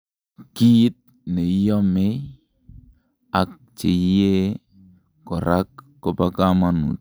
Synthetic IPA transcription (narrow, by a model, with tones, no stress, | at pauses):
ki˦t̪̚ | ne˨i˦jɔ˦me˦ | a˨k̚t͡ʃe˨˦e˦ | kɔ˨ɾa˦kː | ɔ˨pa˦kama˦nṵ˨t̚